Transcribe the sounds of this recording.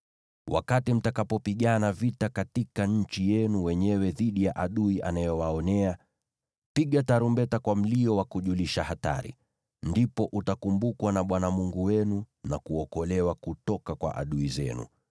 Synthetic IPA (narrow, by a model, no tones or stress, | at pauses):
wʔa̰katim̩takapɔpiɠanavitakatikaɲ̩t͡ʃijɛnuwɛɲɛwɛðiɗijaʔaɗuiʔa̰najɔwaɔnɛa | piɠataɾumbɛtakwam̩liɔwakuʄuliʃahata̰ɾḭ | ndipɔʔutakumbukwanaɓwanamuŋɡuwɛnu | nakuɔkɔlɛwakutɔkakwa̰ʔa̰ɗuizɛ̰nṵ